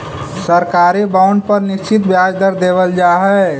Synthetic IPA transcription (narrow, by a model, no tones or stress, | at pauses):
səɾkaɾibaʊɳɖ̚pəɾniʃt͡ʃit̪̚bjad͡ʒd̪əɾd̪eβəld͡ʒaɦɛ